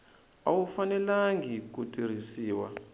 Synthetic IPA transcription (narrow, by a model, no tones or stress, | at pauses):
awufanɛlaŋɡik̬utʼiɾ̤isiːwa̰